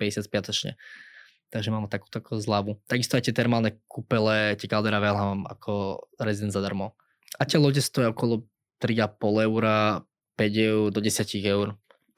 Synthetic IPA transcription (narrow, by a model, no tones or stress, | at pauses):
pɛɟɛsɪat̪spɪat̪ɔt͡ʃɲɛ̰ | t̪aɡʒɛmaːmɛt̪aku̥ːt̪ɔakʰɔzlaʋut̪aɡist̪ɔajt̪ɪɛt̪ɛɾmalnɛkupɛlɛt̪ɛkald̪ɛɾaʋɛlɦamma̰kʰɔɾɛzid̪ɛnd̪zad̪aɾmɔ | at̪ɪɛlˠɔɟɛst̪ɔjɛɔkɔlɔ | t̪ɾiapɔlɛʊɾa | pɛɟɛʊɾd̪ɔɟɛsjaciɣɛʊɾ